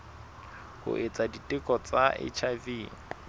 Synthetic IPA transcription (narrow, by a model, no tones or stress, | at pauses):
hʊ̰ʔet͡sʼaditʼɪkʼɔt͡sʼaʔɪ̰t͡ʃʰaviːŋ̩